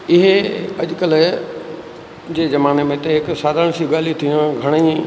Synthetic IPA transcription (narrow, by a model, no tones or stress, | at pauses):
ɪɦɐ̰ʄkəl | d͡ʑeːzɐmaːnemẽt̪ɐɦɪksaːd̪ʱəɽ̃siɠaːl̤it̪ʰĩɡʱɐɽ̃iː